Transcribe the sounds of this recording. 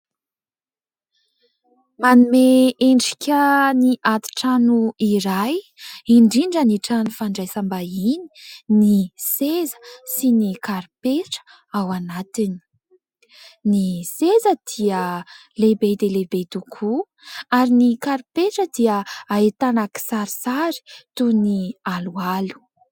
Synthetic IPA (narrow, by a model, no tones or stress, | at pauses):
manumeeɳɖ͡ʐi̥kʲəniʔat̪i̥ʈ͡ʂanuiɾajiɳɖ͡ʐiɳɖ͡ʐəniʈ͡ʂanufaɳɖ͡ʐajsambaini̥nisezə̥sinikaɾipeʈ͡ʂə̥ | awanat̪ini̥ | nisezəd̪̥iə | lebed̪elebet̪ukʰu | aɾinikaɾipeʈ͡ʂəd̪iəaet̪anaki̥saɾisaɾi̥t̪unialualu̥